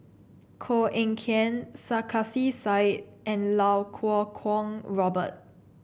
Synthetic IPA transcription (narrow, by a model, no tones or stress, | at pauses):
kʰoʔɛ̃ŋkʰɛ̃nsakʰasisaɪt̚ʔɛ̃nlawkʰɔkʰɔ̃ŋɹɔbə̰t̚